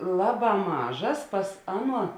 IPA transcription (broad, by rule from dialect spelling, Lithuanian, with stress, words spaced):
ˈlˠɑːˌbɑː ˈmɑːʒɐs ˈpɐs ˈɑːˌnuɔ